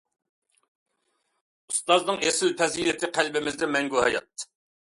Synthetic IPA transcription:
ust̪ɑznɨŋesɪlpʰɛzilɪt̪ʰɪqʰælbɪmɪzd̪ɪmɛŋɡuɦɑ̰jɑ̰t̪̚

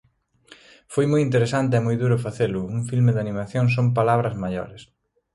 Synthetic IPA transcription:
fojmojint̪eɾesant̪eɛmojðuɾʊfaθelʊuŋfilmeðanimaθjoŋs̬omp̬alaβɾɐzmaʎɔ̰ɾɪs

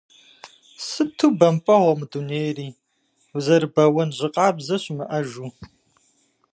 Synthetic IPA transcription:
sɨtʰuːbɐmpʼɐʁʷɐmɨduneːjriː | zɐrɨbɐwɐnʑɪqʼɑːbzɐɕʼmɨʔɐʒuː

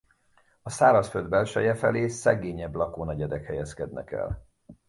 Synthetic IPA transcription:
ɒsaːɾɒsføld̪bɛlʃɛjɛfɛ̰leːsɛɡeːɲɛblɒkoːnɒɟɛd̪ɛkhɛjɛskɛd̪nɛ̰kɛ̰l

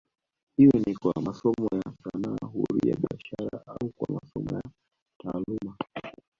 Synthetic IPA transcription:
hiwɛnikwamasɔmɔjasanaːɦuɾujaɓiaʃaɾaaukwamasɔmɔja | taːluma

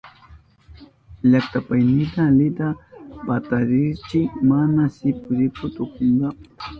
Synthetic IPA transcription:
ʎakt̪apajnɪt̪alɪd̪apat̪aɾɪɾt͡ʃɪmanasɪpʊɾɪkʊt̪ʊkʊŋɡapʊ̥

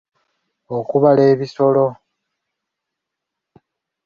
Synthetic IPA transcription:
okuβale̞ːβiso̞lo̞

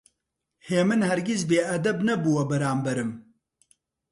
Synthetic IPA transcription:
heːmɨnhɛɾɡʲis̬beːʔɐd̪ɐbnɐbuwɐbɐɾaːmbɐɾɨm

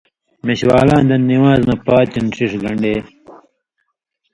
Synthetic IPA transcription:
meɕwaːlãːnd̪ɐniwaːznɐpaːt̪inʂiʂlɐɳɖeː

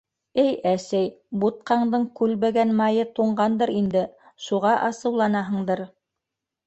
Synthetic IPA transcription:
ɘjæsæjbut̪̚qɑɴd̪ɤɴkʉlβæɡænmɑjɤt̪uɴɢɑnd̪ɤɾind̪ɘ | ʃuʁɑʔɑsɤ̆wlˠɑnɑɦɤ̆ɴd̪ɤɾ

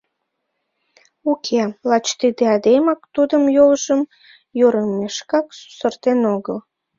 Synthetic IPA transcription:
ukʰelɑt͡ɕt̪id̪eɑd̪emɑkt̪ud̪əmjowʒəm | joɾəmeʃkɑksu̥sərt̪enoɣəl

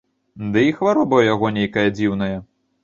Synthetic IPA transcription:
d̪ɨixvaɾɔbɐwjaɣɔnʲejkɐjɐd͡zʲiwn̪ɐjɐ

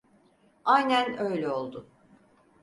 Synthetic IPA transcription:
ajnænø̞jlʲɛo̞lˠd̪ʊ

